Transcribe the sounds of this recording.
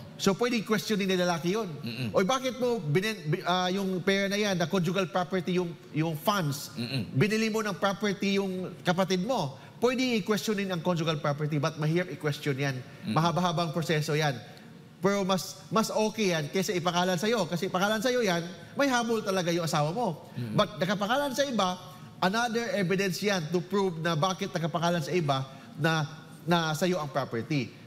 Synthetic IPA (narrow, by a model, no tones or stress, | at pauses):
so̞pwɛd̪ɪkwɛst̪onɪnːɐlɐlaːkɪjo̞nʔojbaːkɪt̪̚mo̞bɪnɛnajʊŋpɛːɹɐnɐjanːɐkond͡ʒʊɡɐlpɹapɛɹt̪ijʊŋ | jʊŋfand̪sbɪnɪlimo̞nɐŋpɹapɛɹt̪ijʊŋkɐpɐt̪id̪̚mo̞ | pwɛd̪ɪɪkwɛstt͡ʃonɪnɐŋkond͡ʒʊɡɐlpɹapɛɹt̪̬ibɐt̪̚mɐhiːɹɐp̚ɪkwɛstonjan | mɐɦabaɦaːbɐŋpɹosɛːso̞jan | pɛɾo̞mɐs | mɐsʔoːkɛjankɛsɛʔɪpɐŋaːlɐnsɐjo̞kɐsɛɪpɐŋaːlɐnsɐjo̞jan | mɐjɦaːmolt̪ɐlɐɡajʊŋʔɐsaːwɐmo̞ | bɐt̪̚nɐɡkɐpɐŋaːlɐnsɐʔɪba | ʔɐnad̪ɛɹʔɛvɪd̪ɛnsjant̪ʊpɹuvnɐbaːkɪt̪̚nɐɡɐpɐŋaːlɐnsɐɪba | nɐ | nɐsɐjo̞ʔɐŋpɹapɛɹt̪i